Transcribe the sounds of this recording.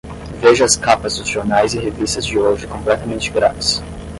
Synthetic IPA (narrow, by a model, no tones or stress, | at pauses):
veʒɐɐskapɐzd̪ʊzʒoɾnajzɪhevist̪ɐzd͡ʒɪoʒɪkõplɛt̪ɐmẽnt͡ʃɪɡɾa̰vɪs